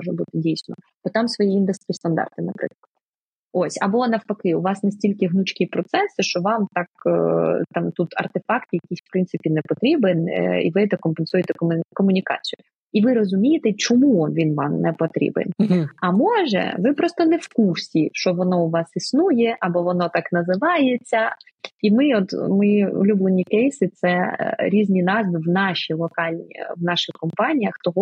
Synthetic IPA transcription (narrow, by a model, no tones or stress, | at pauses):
mɔʒɛbut̪ɪdʲijsʲnɔ̰b̥ɔt̪ɑmsʋɔjiind̪ɛst̪ʲist̪ɐnd̪ɑ̰rt̪ɪnɐpɾɪ̰klˠɐd̪ | osʲɐbɔnɐwpɐkɪʊʋɑsnesʲtʲilʲkɪɦnut͡ʃkipɾɔt̪sɛsɪʃt͡ʃɔʋɑmt̪ɑk | t̪ɑmt̪ut̪ɐ̰rt̪efɑkt̪jɐkʲisʲfpɾɪnt̪ɪpʲinɛpɔt̪ɾʲibɪnḭʋɪɛt̪ɛkɔmpensujɛt̪ɛkkɔmʊnʲikɑ̰t͡sʲijʊ | iʋɪɾɔzʊmʲijɪt̪ɛt͡ʃɔmunʋʲinʋɑmnɛpɔt̪ɾʲḭbɪ̰nɐmɔʒɛ̰ʋɪpɾɔst̪ɔnɛfkursʲiʃt͡ʃɔʋɔnɔʊʋɑsisnujɛʔɐbɔʋɔnɔt̪ɑknɐzɪʋɑjet͡sʲːɐ | imɪɔt̪mɔjiṵlʲublˠenʲikɛjsɪt̪sɛɾʲizʲnʲinɑzʋɪʋnɑʃilˠɔkɑlʲn̰ʲʋnɑʃɪxkɔmpɑnʲijɐxt̪ɔɦɔ